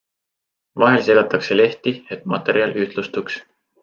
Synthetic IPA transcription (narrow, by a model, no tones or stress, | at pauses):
vɑɦe̞lseɡɑt̪ːˑɑkse̞le̞ht̪iet̪ːˑmɑ̰t̪ːˑe̞ɾiɑlyht̪lust̪uks